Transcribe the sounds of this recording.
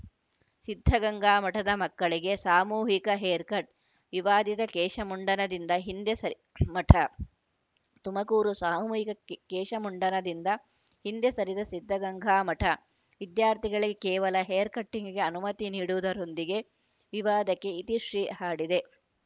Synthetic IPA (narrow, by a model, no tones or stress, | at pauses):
sid̪ʱːɐɡɐŋɡʱaːmɐʈʰɐd̪ɐmɐkːɐɭiɡe̞saːmuːɦikɐɦeːɾkɐʈ̚ | ʋiʋaːd̪it̪ɐkɛːʃɐmuɳɖɐnɐd̪ind̪ɐɦind̪jesɐ | mɐʈʰɐ | t̪umɐkuːɾusaːmuːɦikɐkɛːʃɐmuɳɖɐnɐd̪ind̪ɐ | hind̪jesɐɾid̪ɐsid̪ʱːɐɡɐŋɡʱaːmɐʈʰɐ | ʋid̪jaːɾt̪ʰiɡɐɭiɡe̞kɛːʋɐlɐɦeːɾkɐʈːiŋɡiɡe̞ɐnumɐt̪iniːɽuʋud̪ɐɾond̪iɡe̞ | ʋiʋaːd̪ɐkːe̞it̪iʂɾiːhaːɽid̪e̞